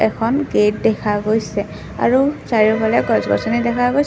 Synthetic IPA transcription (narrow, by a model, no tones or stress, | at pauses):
ɛkʰɔnɡet̚dɛkʰaɡojsɛ | a̰ɹusaɹiɹpʰalɛɡɔzɡɔ̰sɔnidɛkʰaɡojs